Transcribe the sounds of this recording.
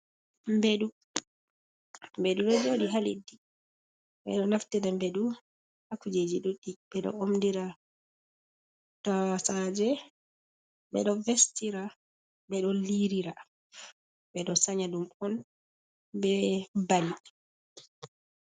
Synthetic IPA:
mbeɗu | mbeɗuɓɛd͡ʒodiɦalḭdːi | ɓɛ̰ɗɔnaftidambeɗu | hakːud͡ʒed͡ʒiɗuɗiɓɛɗɔ̰omdiɾa | tasad͡ʒɛ | bɛ̰ɗɔvestiɾa | bɛɗɔliɾiɾa | bɛɗɔsaɲaɗumɔn | bɛbani

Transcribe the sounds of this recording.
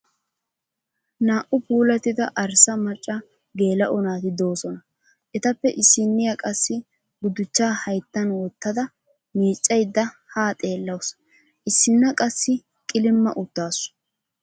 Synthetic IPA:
naːʔʊpuːlɐt̪ːɪd̪ɐʔɐɾsɐmɐt͡ʃʼːɐ | ɡe̞ːlɐʔɔnaːt̪ɪd̪o̞ːsɔnɐ | ʔɛt̪ɐpːɛʔɪsːɪnːɪjɐkʼɐsːɪ | ɡʊd̪ʊt͡ʃːaːhɐjt̪ːɐnwɔt̪ːɐd̪ɐ | miːt͡ʃʼːɐjd̪ːɐhaːt̪ʼe̞ːlːɐws | ʔɪsːɪnːɐkʼɐsːɪ | kʼɪlɪmːɐ̰ʔʊd̪̥ːaːsʊ̥

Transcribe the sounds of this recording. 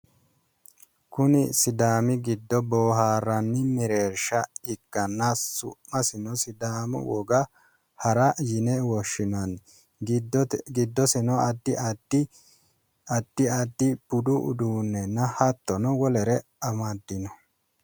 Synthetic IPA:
kʊnɪsɪd̪aːmɪɡɪd̪ːɔboːɦaːɾːɐnːɪmɛɾeːɾʃɐɪkːɐnːasʊ̰mːɐsɪnɔsɪd̪aːmʊ̰wɔɡɐ | hɐɾɐjɪnɛwɔʃːɪnɐn | ɡɪd̪ːɔsɛnɔɐd̪ːɪd̪ɪ | ɐd̪̥ːɪɐd̪ːɪb̥ʊd̪ʊʊ̰d̪uːnːɛnːɐhɐt̪ːɔnɔwɔlɛɾɛɐmɐd̪ːɪnɔ

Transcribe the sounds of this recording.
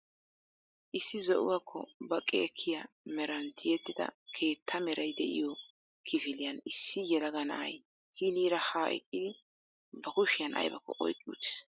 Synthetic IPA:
ʔɪsːɪzɔʔʊwɐkʰːɔ̰bɐkʼːɛːkʰːɪjɐ | mɛɾɐnt̪ʰɪjɛt̪ːɪd̪ɐ̰kʰe̞ːt̪ʰːɐmɛɾɐjd̪ɛʔɪ̰jɔ | kʰɪfɪlɪjɐnɪsːɪjɛlɐɡɐnɐ̰ʔɐ̰j | kʰiːniːɾɐhaːʔɛ̰kʼːɪd̪ɪ | bɐkʊʃɪjɐnɐ̰jbɐkːɔ̰ʔɔ̰jkʼːɪṵːt̪ːɪ̥s

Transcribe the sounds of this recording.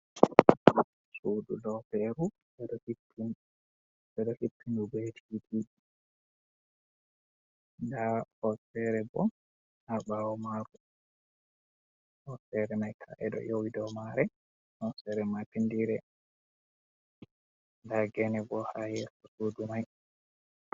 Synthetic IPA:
sudṵdɔwpɛɾu | bɛdɔhi | in | bɛdɔhipːinubetʰiidi | ndahɔsɛɾɛbɔ | habawɔmaɾu | hɔsɛɾɛnajkʰa̰ʔɛ̰ɗɔ̰jowidɔwmaɾɛ | hɔsɛɾɛmapindiɾɛ | ndaɡɛnɛbɔhajɛtɔsudumaj

